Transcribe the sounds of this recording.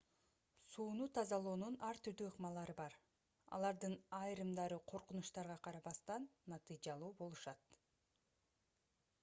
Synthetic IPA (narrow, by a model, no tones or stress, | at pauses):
suːnut̪ʰɑzɑlˠoːnunɑɾt̪ʰyɾd̪yɯqmɑlˠɑɾɯbɑɾ | ɑ̰lˠɑɾd̪ɯnɑjɾɯmd̪ɑɾɯqʰo̞ɾqunuʃt̪ɑɾʁɑqʰɑɾɑβɑst̪ɑnːɑt̪ɨjd͡ʒɑlˠuːbo̞lˠuʃɑt̪